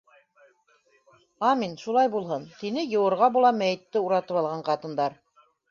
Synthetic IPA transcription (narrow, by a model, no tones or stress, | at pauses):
ɑminʃulˠɑjbulˠɦɤnt̪inɘjɤ̆wɤ̆ɾʁɑbulˠɑmæjɘ̆t̪ːɘuɾɑt̪ɤpɑlˠʁɑɴqɑt̪ɤ̆nd̪ɑɾ